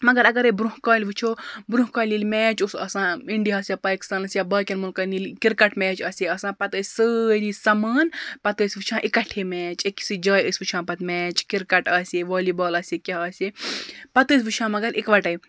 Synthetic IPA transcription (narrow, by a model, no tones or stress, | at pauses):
mɐɡɐɾɐɡɐɾebɾuɦkɐːlʲʋɨt͡ʃʰoːbɾũɦkaːlʲiːlʲmɛːt͡ʃusɐ̰ːsãːiɳɖiɐːsjapaːki̥st̪aːnɐsjabɐːkʲɐnmulkɐnilkiɾkɐʈmɛːt͡ʃɐːsʲeɐːsãːpɐt̪əsʲsəːɾisɐməːnpɐt̪əːsʲʋɨt͡ʃʰãːʔikɐʈʰːeːmɛːt͡ʃeksid͡ʒaːjəsʲʋɨt͡ʃʰãːpɐt̪mɛːt͡ʃkiɾkɐʈɐːseʋoːlibɐːlɐːsekʲɐɦɐːsʲepɐt̪əːs̬ʲʋɨt͡ʃʰãːmɐɡɐɾʔikʋɐʈɐj